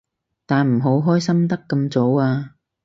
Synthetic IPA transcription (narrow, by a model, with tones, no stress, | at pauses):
t̪aː˨nm̩˨˩ɦo˨˥wɦɔː˥jsɐ˥mt̪ɐ˥kːɐ˧mt͡so˨˥waː˧